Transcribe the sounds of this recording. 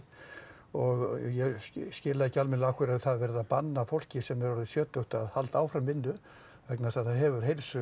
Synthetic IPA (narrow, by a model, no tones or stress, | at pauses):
ɔɣjɛscɪːlaðɛcːɪalmɪnlaahkʰvɪɾaðθaðvɛɾɪðapanːafowl̥cɪsɛmːɛɾɔɾðɪsjœːt̪œht̪aðhalt̪aːwfɾamvɪnːʏ | vɛknasaðθaðɦɛvʏɾ̥ɦejlsʏ